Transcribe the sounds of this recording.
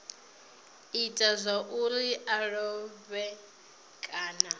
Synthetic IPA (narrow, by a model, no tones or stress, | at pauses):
itʼazʷaʔuliʔaɺɔβɛ | kʼaːna